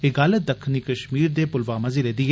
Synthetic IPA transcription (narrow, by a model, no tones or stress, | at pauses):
ɪɡaːlət̪̚d̪əkʰniːkəʃmiːɾd̪eːpʊlʋaːmɐziːleːd̪iːɦː